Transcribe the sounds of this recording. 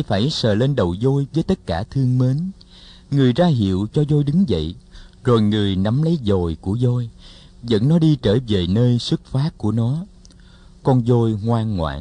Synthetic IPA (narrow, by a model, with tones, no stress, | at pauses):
jfaː˧˩jsəː˨˩le˧nɗə˨˩wzo˧jvəː˨˦jt̪ə˦˥t̚kaː˧˩t̪ʰɨ˧əŋme˨˦n | ŋɨ˨˩əjzaː˧ɦḭ˧˨əwt͡ɕɔ˧zo˧jɗɨ˨˦ŋzə̰˧˨jzo˨˩jŋɨ˨˩əjna˨˦mlə˨˦jzo˨˩jku˧˩əzo˧j | zə̰˧˥nnɔ˨˦ɗi˧t͡ɕəː˧˩jve˨˩nəː˧jsɨ˦˥k̚faː˦˥t̚kːu˧˩ənɔ˨˦ | kɔ˧nzo˧jŋwaː˧ŋːŋwa̰ː˧˨j